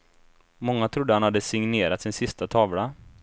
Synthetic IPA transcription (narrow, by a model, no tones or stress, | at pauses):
mɔŋːat̪ʰɾʊd̪ːəhanhad̪ːəsɪŋneːɾat̪sɪnsɪst̪at̪ʰɑːvɽa